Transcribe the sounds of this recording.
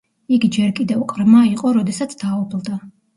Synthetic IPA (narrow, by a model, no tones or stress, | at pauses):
iɡid͡ʒɛɾkʼid̪ɛwqʼɾmaiqʼɔɾɔd̪ɛsat̪sʰd̪aːɔpʰlˠd̪a